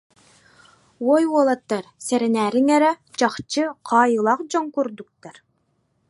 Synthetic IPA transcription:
wɔjuɔlˠat̪ːaɾsɛɾɛnæːɾiŋɛɾɛt͡ɕɑχt͡ɕɯqʰɑːjɯlˠɑqd͡ʑɔŋkuɾd̪uk̚t̪ːaɾ

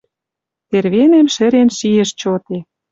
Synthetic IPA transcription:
t̪erβenemʃɘ̆ɾenʃieʃt͡ɕot̪e

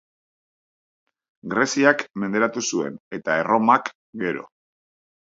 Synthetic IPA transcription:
ɡɾe̞siakme̞nd̪e̞ɾat̪usue̞̰ne̞t̪ae̞ro̞mak | ɡe̞ɾo̞̰

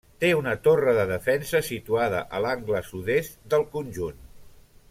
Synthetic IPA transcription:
t̪eunət̪orəðəðəfɛnsəsit̪uaðəʔəlaŋɡləsuðest̪d̪əlˠkunʲʒun

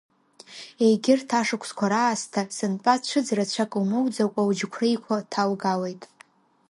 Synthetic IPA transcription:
e̞jɡʲɪrtʰaʂɨkʷʰskʷʰaɾaːstʰasɨnpʼat͡ʃʷʰɨd͡zrat͡ɕʷʰakʼmɨwd͡zakʷʼawd͡ʒkʷʰrejkʷʰatʰalɡalejtʼ

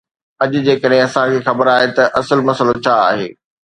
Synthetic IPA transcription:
ɐʄʊ̆d͡ʑeːkəɗɦẽɐsãkʰeːxɐbəɾaːɦet̪ɐʔɐsəlmɐsəlot͡ɕʰaa̰ːɦḛː

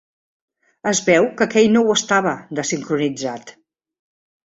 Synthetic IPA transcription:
əzβɛwkəkɛjnowəst̪aβəðəsiŋkɾunid͡zat̪

